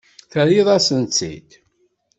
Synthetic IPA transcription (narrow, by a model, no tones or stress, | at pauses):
θəɾiðˤæsənt͡sːḭt̪